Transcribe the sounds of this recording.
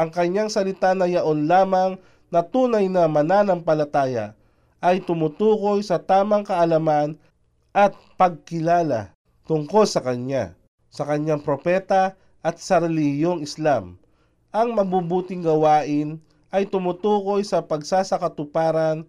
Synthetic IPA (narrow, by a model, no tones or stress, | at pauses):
ʔɐŋkɐɲːaŋsɐlɪt̪anɐjɐʔonlaːmɐŋ | nɐt̪uːnɐjnɐmɐnanɐŋpɐlɐt̪aːjɐ̰ | ʔɐjt̪ʊmʊt̪uːko̞jsɐt̪aːmɐŋkɐʔɐlɐman | ʔɐt̪̚pɐɡ̚kɪlaːlɐ̰ | t̪ʊŋko̞lsɐkɐɲja̰ | sɐkɐɲːaŋpɾopɛt̪ɐ | ʔɐt̪̚sɐɾɛlɪhjoŋɪslam | ʔɐŋmɐbubuːt̪ɪŋɡɐwaːʔɪn | ʔɐjt̪ʊmut̪uːko̞jsɐpɐɡsaːsɐkɐt̪ʊpaːɾɐn